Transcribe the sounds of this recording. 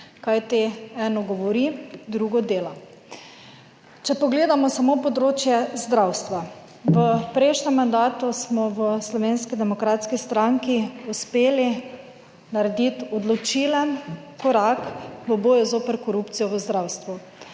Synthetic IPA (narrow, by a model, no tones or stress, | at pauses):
kajt̪iɛːnɔɡɔʋɔɾid̪ɾuɡɔd̪eːlɔ | t͡ʃɛpɔɡleːd̪amɔsamopɔd̪ɾoːt͡ʃjɛzd̪ɾawst̪ʋa | ʋəpɾeʃnɛmːand̪aːt̪usmɔʋəslɔʋeːnskid̪ɛmɔkɾaːt̪skist̪ɾaŋkiuspeːli | naɾɛd̪it̪ɔd̪lɔt͡ʃilɛnkɔɾakʋəboːjuzoːpəɾkɔɾupt̪sijɔʋəzd̪ɾawst̪ʋu